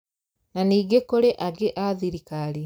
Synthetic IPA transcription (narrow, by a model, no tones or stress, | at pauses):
naniːɡekoɾeʔaɡeʔaðiɾikaɾi